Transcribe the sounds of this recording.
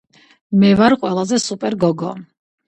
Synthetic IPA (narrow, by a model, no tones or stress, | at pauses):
mɛvaɾqʼwɛlˠazɛsupʼɛɾɡɔɡɔ̰